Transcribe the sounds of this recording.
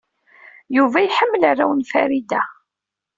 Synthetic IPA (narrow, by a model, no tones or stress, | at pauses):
juvæjħəmːəlarːawənfæɾid̪æ